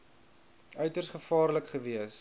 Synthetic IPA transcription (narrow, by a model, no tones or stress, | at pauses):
œɥtərsχəfɑːrləkχəviəs